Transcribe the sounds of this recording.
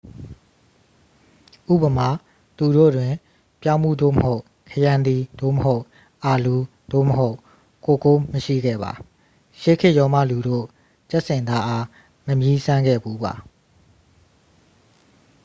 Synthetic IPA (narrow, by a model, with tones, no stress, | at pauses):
ʔṵ˦˨bəma˦˨ | t̪u˨ɾo̰˦˨dwɪ̃˨ | pjã˦ʊ̃mṵ˦˨d̪o̰˦˨məho˦ʊ | kʰəjã˨nd̪i˨d̪̥o̰˦˨məɦo˦ʊʔ | ʔa˨lu˨ | d̪̥o̰˦˨məɦo˦ʊʔ | ko˨ko˦məʃḭ˦˨ɡɛ̰˦˨ba̰˨ | ʃe˦˨kʰɪ˦ʔjɔ˦ma̰˦˨lu˨ɾo̰˦˨ | t͡ɕɛ˦ʔsɪ̃˨nd̪a˦ʔa˦ | məmji˦sã˦ŋɡɛ̰˦˨bu˦ba̰˨